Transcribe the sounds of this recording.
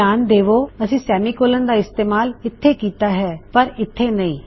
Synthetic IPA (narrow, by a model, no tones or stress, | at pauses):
aːnd̪eːʋoːəsĩːsɛːmiːkoːlənd̪aːɪst̪eːmaːlɪt̪ʰːeːkiːt̪aːɦɛːpəɾɪt̪ʰːeːnəĩː